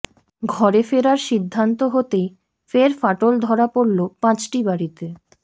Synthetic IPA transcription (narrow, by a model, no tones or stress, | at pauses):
ɡʱɔɾefeɾaɾʃid̪ʱːant̪oɦot̪ej | feɾfaʈold̪ʱɔɾapoɾlopãt͡ɕʈibaɾit̪e